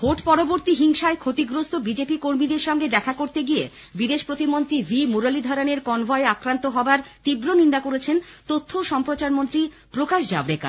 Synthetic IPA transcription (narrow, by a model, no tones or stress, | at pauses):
hoʈpɔɾoboɾt̪iɦiŋʃaekʰot̪iɡɾost̪obid͡ʑepikoɾmid̪eɾʃɔŋɡed̪ɛkʰakoɾt̪eɡie | bid̪eʃpɾot̪imont̪ɾibʱimuɾalid̪ʱɔɾoneɾkɔnbʱɔeakɾant̪oɦɔbaɾt̪ibɾonind̪akoɾet͡ɕʰent̪ot̪ʰːoʃɔmpɾot͡ɕaɾmont̪ɾi | pɾokaʃd͡ʑabɾeka̰